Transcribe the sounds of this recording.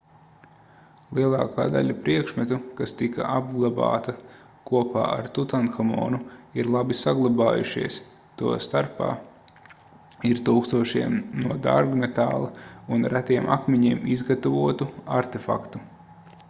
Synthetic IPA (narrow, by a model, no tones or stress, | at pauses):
lˠiɛlˠɑːkaːd̪a̰ʎʲapɾiɛkʃmɛt̪ukast̪ika̰ʔab̚ɡlˠaba̰ːt̪ɐ | kuɔpa̰ːa̰ɾt̪ut̪anxamɔ̰ːnuiɾlˠabisaɡlˠabaːjṵʃiɛs | t̪uɔst̪aɾpa̰ː | iɾt̪uːkst̪uɔʃiɛmnuɔd̪a̰ɾɡnɛt̪aːlˠɐunɾæt̪iɛmʔa̰kmiɲiːmizɡat̪avuɔt̪uaɾt̪efa̰kt̪u